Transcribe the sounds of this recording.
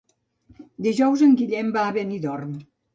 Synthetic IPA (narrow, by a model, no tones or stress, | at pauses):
d̪iʒɔwzəŋɡiʎɛmbaːβeniðɔrm